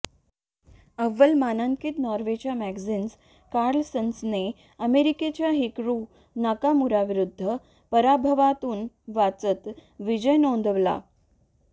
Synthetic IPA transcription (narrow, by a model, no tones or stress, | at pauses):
əʋːəlmanaŋkit̪nɔɾʋet͡ɕamæɡzins | kaɾlsənsne | əmeɾiket͡ɕjaɦikɾu | nakamuɾaʋiɾud̪ʱːə | pəɾabʱəʋat̪uːn | ʋat͡sət̪ʋid͡ʑəjnond̪əʋla̰